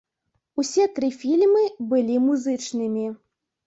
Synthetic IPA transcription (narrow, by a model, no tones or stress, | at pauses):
usʲɛt̪ɾɨfʲilʲmɨbɨlʲimuzɨt͡ʂnɨmʲi